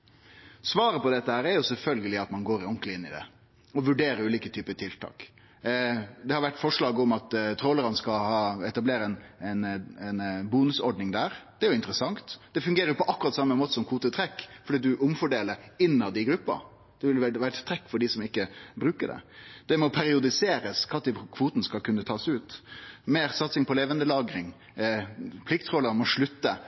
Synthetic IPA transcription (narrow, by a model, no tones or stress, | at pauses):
sʋɑːɾəpɔd̪ɛt̪ːəhæːɾæɾjʊsɛlfœlɡəlɪɑt̪mɑnɡoːɾɪɔŋkləɪnːɪd̪ɛ̰ | ɔʋʉɖeːɾəɾʉːliːkət̪ʰyːpət̪ʰɪlt̪ʰɑ̰ːk | d̪ɛhɑɾʋæʈːfɔʂɭɑːɡəɔmɑt̪t̪ʰɾoːləɾɑnskɑhɑːɛt̪ɑbleːɾəɛnɛnɛnbuːnʉsɔɖnɪŋd̪æːɾd̪ɛæɾjʊɪnt̪ɾəsɑŋt̪d̪ɛfʉŋɡeːɾəjʊpɔʔɑkːʉɾɑt̪sɑmːəmoːt̪ə̥sɔmkʰʋuːt̪ət̪ʰɾɛkːfɔɾɖiːt̪d̪ʉʔʊmfɔɖeːləɾɪnːɑd̪ɪɡɾʉpːɑ̰ɾ | d̪̥ɛʋɪlʋɛɾʋæːɾət̪ʰt̪ɾɛkːfɔɖisɔmɪkːəbɾʉːkəɖɛ̰d̪̥ɛmɔpʰæɾɪʊd̪ɪseːɾəskʰɑːt̪ɪkʰʋuːt̪ənəskɑlkʰʉnːət̪ʰɑːsʉːt̪meːɾsɑt̪sɪŋpʰɔleːʋənd̪əlɑːɡɾɪŋ | pʰlɪk̚t̪ʰɾoːləɾɑnmɔʂɭʉt̪ːə